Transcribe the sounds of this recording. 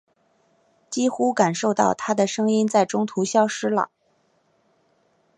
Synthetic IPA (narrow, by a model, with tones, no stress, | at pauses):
t͡ɕi˥xu˥ka˨˩nʂo˥˧ʊt̪ɑ̰˥˩ʊt̪ʰa˥d̪ə˨ʂɤ˥ŋi˥nt͡sa˥˩ɪʈ͡ʂʊ˥ŋt̪ʰu˧˥ɕjɑ˥ʊʂɻ̩˥lə̰˨˩˦